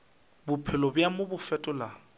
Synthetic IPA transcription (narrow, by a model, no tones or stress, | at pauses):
bʊpʰɪlɔbjamʊbʊfɛtʼʊla